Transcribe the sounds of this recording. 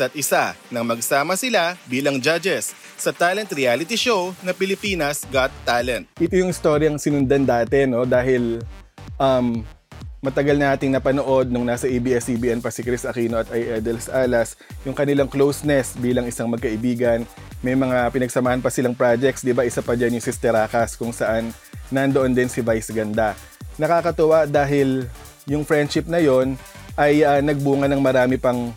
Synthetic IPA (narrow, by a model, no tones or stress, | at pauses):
ɐt̪̚ʔɪsanɐŋmɐɡsaːmɐsɪlabiːlɐŋd͡ʒad͡ʒɛsː | ɐt̪alɛnt̪ɾɪalɪt̪iʃownɐpɪlɪpiːnɐsɡat̪ːalɛ̃nt̪̚ʔɪt̪ojʊŋɪst̪o̞ɾjɐŋsɪnʊnd̪ɐnd̪aːt̪ɛnːo̞d̪aːɦɪl | ʔɐmː | ɐt̪ɐɡɐlnaːt̪ɪŋnɐpɐno̞ʔo̞d̪̚nʊŋnaːsɐʔibiʔɛsibiːʔɛnpɐsikɾɪsʔɐkiːnoʔɐt̪ʔajʔɛd̪ɛlsʔaːlɐs | jʊŋkɐnɪlaŋklowsnɛsbiːlɐŋɪsaŋmɐɡ̚kɐʔɪbiːɡɐn | mɐjmɐŋapɪnɐɡsɐmaːhɐnpɐsɪlaŋpɾad͡ʒɛk̚t̪sd̪ɪbaʔɪsapɐd͡ʒɐnjʊŋsɪst̪ɛɾaːkɐskʊŋsɐʔanː | ɐnd̪o̞ʔo̞nd̪ɪnsɪvajsɡɐnd̪a | nɐkaːkɐt̪ʊwad̪aːɦɪl | jʊŋfɹɛnd̪ʃɪp̚nɐjo̞nʔɐjɐnɐɡ̚buːŋɐnɐŋmɐɾaːmɪpɐŋ